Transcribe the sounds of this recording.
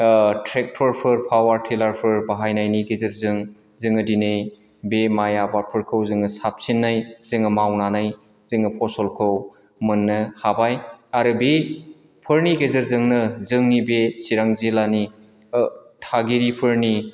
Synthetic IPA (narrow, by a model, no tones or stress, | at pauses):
tʰɾek̚tʰɔɾpʰɯɾpʰawaɾtʰelaɾpʰɯɾbaɦajnajniɡezɯɾzɯŋ | zɯŋɯdinɯj | bemajabapʰɯɾkʰɯwzɯŋɯsap̚sinːajzɯŋɯmawnanaj | zɯŋɯpʰɔsɔlkʰɯw | mɯnːɯhabajaɾɯbe | pʰɯɾniɡezɯɾzɯŋnɯzɯŋnibesiɾaŋzelani | tʰaɡiɾipʰɯɾni